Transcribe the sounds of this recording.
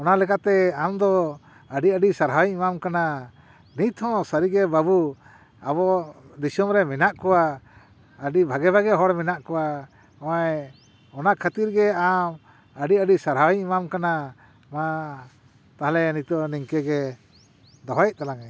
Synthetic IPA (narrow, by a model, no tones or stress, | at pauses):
ɔnalɛkat̪ɛamd̪ɔ | əɖiəɖisaɾɦajimamkana | nit̪hɔ̃saɾiɡɛbabu | abɔd̪isumɾɛmɛnaʔkɔwa | əɖibʱaɡɛbaɡɛɦɔɽmɛnaʔkɔwa | ɔ̃ɛ | ɔnakʰat̪iɾɡɛam | əɖiəɖisaɾɦawimamkana | ma | t̪aɦalɛnit̪ɔniŋkɛɡɛ | d̪ɔɦaj̚t̪alaŋɛ